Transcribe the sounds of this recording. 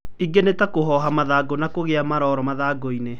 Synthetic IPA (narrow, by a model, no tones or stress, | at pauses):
iɡenetakoɦɔɦamaðaɡonakoɣeamaɾɔɾɔmaðaɡoine